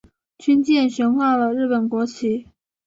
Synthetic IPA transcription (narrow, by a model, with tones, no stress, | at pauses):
t͡ɕʰy˥nt͡ɕjɛ˥˩nʂə˧˥ŋxwɑ˥˩lə˨ɻɻ̩˥˩pə˨˩nkwɔ˧˥t͡ɕʰi˧˥